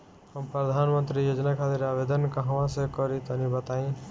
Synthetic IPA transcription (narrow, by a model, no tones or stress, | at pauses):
həmpɾəd̪ʱanmʌnt̪ɾijod͡ʒnakʰat̪iɾabed̪ənkaɦawasəkɔɾit̪ɔnibʌt̪aĩ